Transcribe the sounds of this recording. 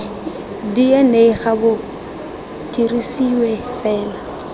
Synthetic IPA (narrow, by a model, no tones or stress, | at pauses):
diɛneɪɣabʊ | kʼirisiwefɛːla